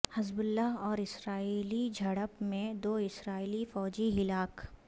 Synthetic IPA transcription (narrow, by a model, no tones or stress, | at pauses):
hɪzbʊlːaɦɔːɾɪsɾaːiːlid͡ʒʱɐɽəpmẽd̪oːɪsɾaːiːlifɔːd͡ʒiɦɪlaːk